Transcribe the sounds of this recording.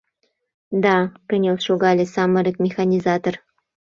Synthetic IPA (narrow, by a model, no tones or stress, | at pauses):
d̪ɑkə̆nʲolʃoɣɑlʲesɑmə̆ɾəkmʲexɑnʲizɑt̪or